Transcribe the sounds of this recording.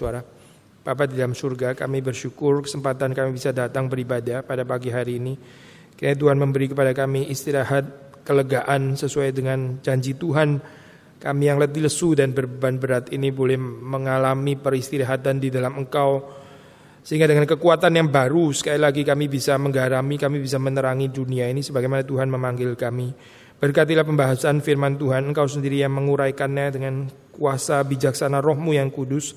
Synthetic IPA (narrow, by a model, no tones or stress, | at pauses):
uaɾa | b̥ap̬adidalamsurɡaka̰mibərʃukʊrkə̥səmpat̪ankamibisadat̪aŋbəɾibadapadapaɡiɦaɾiːni | kinat̪uɦanməmbəɾikəpadakamiʔist̪iɾaɦat̪̚ | kələɡaʔansəsuajdəŋand͡ʒaɲd͡ʒit̪uɦan | kamijaŋlət̪iləsudanbərbəban̚bəɾat̪inibolɛhməŋalamipəɾist̪iɾaɦat̪andidalaməŋkaw | səɦiŋɡadəŋankəkuat̪anjaŋbaɾusə̥kailaɡikamibisaməŋɡaɾamikamibisamənəɾaŋiduniainisəbaɡajmanat̪uɦanməmaŋɡɪlkami | b̥ərkat̪̬ilahpəmbaɦasaːnfirmant̪uɦanəŋkawsəndiɾijaŋməŋuɾajkanɲadəŋan | kuasabid͡ʒak̚sanarɔhmujaŋkudʊs